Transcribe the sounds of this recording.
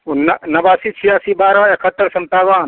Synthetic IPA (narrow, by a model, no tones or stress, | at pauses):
unɐnɐbaːsit͡ʃʰijaːsibaːɾɔekʰət̪ːəɾsɐmt̪aːʋaːn